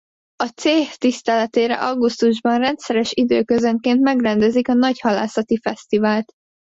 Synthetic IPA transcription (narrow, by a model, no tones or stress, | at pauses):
ɒt̪seːht̪ist̪ɛlɛt̪eːɾɛ̰ʔɒɡust̪uʒbɒnrɛnt̪sɛɾɛʃid̪øːkøzøŋkeːnt̪mɛɡrɛnd̪ɛzikɒnɒɟhɒla̰ːsɒt̪ifɛst̪ivaːlt̪